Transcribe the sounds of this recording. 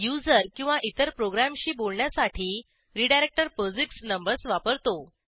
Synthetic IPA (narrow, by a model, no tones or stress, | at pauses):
jud͡zəɾkĩw̃ʋaʔit̪əɾpɾoɡɾamɕiːbolɳjasaʈʰiː | ɾiɖajɾek̚ʈəɾpod͡ziksnəmbəɾsʋapəɾt̪o